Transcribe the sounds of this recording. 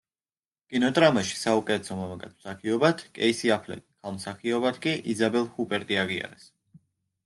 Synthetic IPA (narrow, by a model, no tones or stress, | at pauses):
kʼinɔt̪ʼɾamaʃi̥saukʼɛsʰɔmɔmakʼat̪ʰm̥saχiɔbat̪ʰkʼɛ̰isiapʰlɛ̰t̪ʼkʰalˠmsaχiɔbat̪ʰkʼiʔizabɛlˠhupʼɛɾt̪ʼiaʁia̰ɾɛs